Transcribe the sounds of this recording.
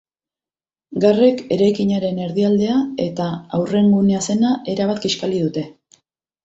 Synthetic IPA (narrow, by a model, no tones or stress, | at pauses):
ɡare̞ke̞ɾajkiɲaɾe̞ne̞ɾðiald̪e̞ae̞t̪aawre̞ŋɡunease̞naʔe̞ɾaβ̞at̪ɡiʃkaliðut̪e̞